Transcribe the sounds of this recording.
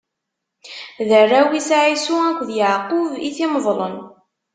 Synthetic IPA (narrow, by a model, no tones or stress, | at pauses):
ðərːæwisʕisuækʷðjəʕqʊviθiməðˤlˤən